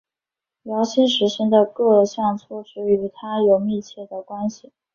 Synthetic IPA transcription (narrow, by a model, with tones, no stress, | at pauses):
ljɑ˧˥ʊɕʰi˥nʂɻ̩˧˥ɕi˥ŋd̪ə˨kɤ˥˧ɕjɑ˥˧ŋt͡sʰwɔ˥˩ʂɻ̩˧˥y˨˧˩t̪ʰa˥jo˨˩ʊmi˥˧t͡ɕʰjɛ˥˩d̪ə˩kwa˥nɕi˨˩